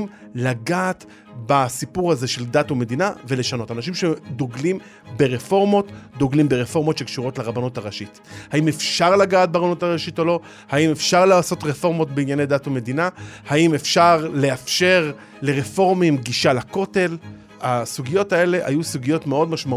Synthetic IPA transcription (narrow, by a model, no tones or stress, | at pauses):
laɡaːt̪ | basipuʁaze̞ʃeld̪atume̞d̪inave̞le̞ʃano̞tanaʃ̬imʃed̪oɡlim | beʁefo̞ʁmo̞t̪d̪oɡlimbeʁefo̞ʁmo̞tʃekʃuʁo̞tleʁabanotaʁaʃit | haime̞fʃaʁlaɡaːt̚baʁanotaʁaʃito̞lo̞ | haime̞fʃaʁlaːso̞t̪ʁefo̞ʁmo̞t̪beinjanedatume̞d̪inahaimefʃaʁle̞afʃe̞ʁ | le̞ʁefo̞ʁmimɡiʃalako̞te̞l | asuɡijo̞tae̞le̞ʔa̰jusuɡijo̞tmeo̞dmaʃma